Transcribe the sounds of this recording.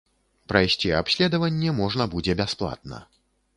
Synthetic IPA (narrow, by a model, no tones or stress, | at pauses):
pɾajsʲt͡sʲiapsʲlʲɛd̪ɐvɐnʲːɛmɔʐnɐbud͡zʲɛbʲasplˠa̰t̪̚nɐ̰